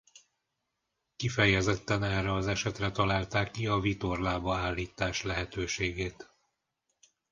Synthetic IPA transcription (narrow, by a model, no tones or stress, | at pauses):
kifɛjɛzɛt̪ːɛnɛrːɛɒzɛʃɛt̪rɛt̪ɒlaːlt̪aːkːiɒvit̪o̞rlaːbɒaːlːiːt̪ːaːʃlɛɦɛt̪øːʃeːɡeːt̪